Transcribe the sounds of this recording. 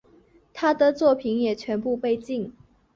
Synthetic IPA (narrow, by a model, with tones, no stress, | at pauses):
t̪ʰa˥d̪ə˨t͡swɔ˥˩pʰi˧˥njɛ˨˩t͡ɕʰɥɛ˧˥npu˥˧pe˥˧ɪt͡ɕi˥˩ŋ